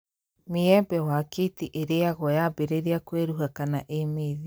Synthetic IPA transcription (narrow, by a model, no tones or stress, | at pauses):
meɛbɛwaketiʔeɾeaɣɔjabeɾeɾeakweɾuɦakanaʔemeːði